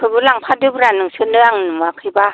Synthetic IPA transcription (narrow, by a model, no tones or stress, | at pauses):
kʰɯbɯlaŋpʰadɯbɾanɯŋsɯnɯaŋnɯmakʰɯjba